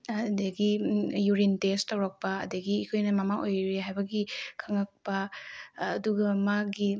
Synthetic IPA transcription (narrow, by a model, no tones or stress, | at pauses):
dɐɡijuɾintestːɐwɾɐk̚pɐɐ̰dɐɡiːkʰojnɐmɐmaŋʔojɾeɦajbɐɡikʰɐŋɐk̚pɐː | duɡɐmaɡi